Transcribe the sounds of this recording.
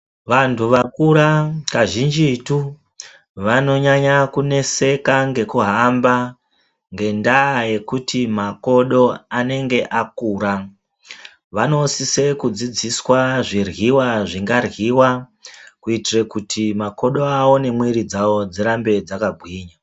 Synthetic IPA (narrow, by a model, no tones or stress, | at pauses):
ʋantʰuʋakuɾakaʒind͡ʒitu | ʋano̞ɲaɲakune̞se̞kaŋɡe̞kuɦamba | ŋɡe̞ndaːje̞kutʰimako̞ɗo̞ane̞ŋɡe̞ʔakuːɾa | ʋano̞sise̞kud͡zid͡ziswaʐirɣiwaʐiŋɡarɣiwakuitirekutʰimako̞ɗo̞ao̞ne̞mweɾid͡zao̞d͡ziɾambe̞d͡zakabʱwiːɲa